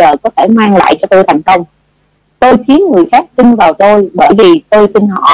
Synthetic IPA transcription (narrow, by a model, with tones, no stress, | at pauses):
əː˨˩kɔ˨˦t̪ʰe˧˩maː˧ŋla̰ː˧˨jt͡ɕɔ˧t̪o˧jt̪ʰa˨˩jŋ̟kə˧wŋ͡m | t̪o˧jt̪ʰi˨˦ənŋɨ˨˩əjxaː˦˥k̚sï˧ŋvaː˨˩wt̪o˧jɓəː˧˩jvi˨˩t̪o˧jt̪i˧nhɔ̰˧˨